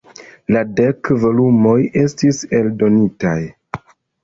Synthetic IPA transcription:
lade̞kvo̞lumo̞je̞stise̞ldo̞nitaj

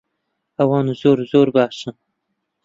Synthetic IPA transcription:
awɑːnuzoːɾzoːɾbaːʃə

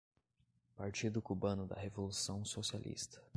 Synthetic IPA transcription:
paɾt͡ʃid̪ʊkubɐ̃nʊd̪ɐ̰hevolusɐ̃w̃sosialʔḭst̪ɐ̥

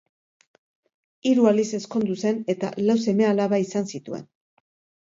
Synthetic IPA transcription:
iɾualise̞sko̞nd̪use̞ne̞t̪a̰lawse̞me̞alaβaisansit̪ue̞̰n

